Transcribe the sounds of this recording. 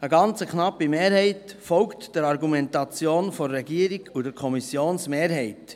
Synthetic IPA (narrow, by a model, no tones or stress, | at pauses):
əɡɑnt͡səknɑpːimeːɾhɛɪtfɔlktd̥ɛɾɑɾɡumɛntɑt͡sjoːnfɔːɛɡiəɾiɡudɛɾkʰɔmisjoːnsmeːɾɦɛɪt